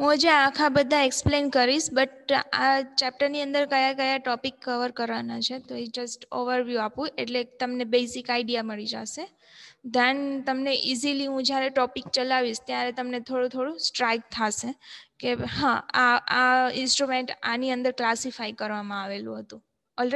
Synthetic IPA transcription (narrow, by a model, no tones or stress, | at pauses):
ɦũd͡ʒaakʰabəd̪ʱːaeksplenkəɾiʃbəʈat͡ʃɛp̚ʈəɾniə̃nd̪əɾkəjakəjaʈɔpikːəʋəɾkəɾʋanat͡ʃʰet̪oed͡ʒəsʈoʋəɾʋjuapũʔeʈlet̪əmnebesikajɖijaməɭid͡ʒa̰ʃe | d̪ənt̪əmneʔiziliɦũd͡ʒjaɾeʈɔpikt͡ʃəlaʋiʃt̪jaɾet̪əmnet̪ʰoɽũt̪ʰoɽũsʈɾajk̚t̪ʰaʃekeɦãaaɪnsʈɾumeɳʈaniə̃nd̪əɾklasifaikəɾʋamãaʋelṵ̃ɦət̪ũ | ɔl